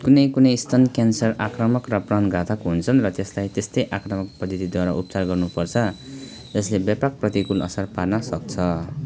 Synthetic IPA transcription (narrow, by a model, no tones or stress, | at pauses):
kunʌjkunʌjst̪ʰʌnkjansʌrakrʌmʌkrʌprʌnɡʱat̪ʰʌkɦunt͡sʰʌnrʌt̪eslajt̪est̪ʌjʔakrʌmʌkpʌd̪ʱʌt̪id̪waɾʌ̰ʔupt͡sarɡʌrnupʌrt͡sʰʌ | d͡zʌslebjapak̚prʌt̪ikulʌ̰sʌrparnʌsʌk̚t͡sʰʌ